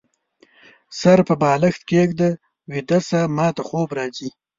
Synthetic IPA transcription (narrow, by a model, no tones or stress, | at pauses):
saɾpəbɑːləxt̪̚keːɡd̪ə | wid̪asamɑːt̪axoːbɾɑːzi